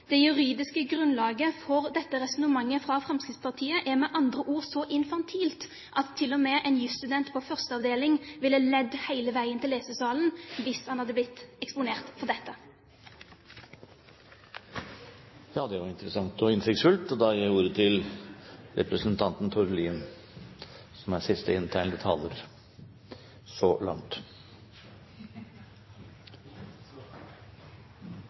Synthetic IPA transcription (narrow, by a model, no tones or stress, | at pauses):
d̪̥ɛjʉʁiːd̪ɪskəɡʁʉnlɑːɡəfɔʁd̪ɛt̪ːəʁɛsʊnəmɑŋːəfʁɑfʁɛmskɪt̪spʰɑʁt̪ʰiːəʔæʁmɛʔɑnd̪ʁəʔuːʁsɔʔɪnfɑnt̪ʰiːlt̪ | ʔɑt̪ʰːɪlːɔmɛʔɛnjʉst̪ʉd̪ɛnt̪pʰɔfœʁst̪əɑʋd̪eːlɪŋʋɪlːəlɛd̪hæɪləʋæɪənt̪ɪlːeːsəsɑːln̩ʋɪshɑnhɑd̪ːəblɪt̪ːɛkspʊneːʁt̪fɔʁd̪ɛt̪ːə | jɑːd̪ɛʋɑɾɪnt̪əɾəsɑŋt̪ɔɪnsɪkt̪sfʉlt̪ɔd̪ɑjæɪuːɾət̪ʰɪl | ɾɛ̰pɾəsənt̪ʰɑnt̪n̩t̪ʰʊɾliːn | sɔmæsɪst̪əɪnt̪ʰæɪnd̪ət̪ʰɑ̰ːləɾ | sɔlɑ̰ŋt̪